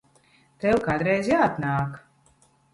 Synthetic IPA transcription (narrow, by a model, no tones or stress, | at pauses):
t̪ɛwkad̪ɾɛjzjaːat̪naːk